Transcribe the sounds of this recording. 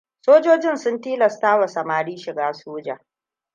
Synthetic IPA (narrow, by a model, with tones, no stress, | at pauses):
soː˦d͡ʒoː˦d͡ʒɪ˦nsʊ˦ntiː˦lɐ˨staː˦wa˨sɐ˨maː˨ɽiː˦ʃɪ˨ɡaː˦soː˦d͡ʒa̰ː˨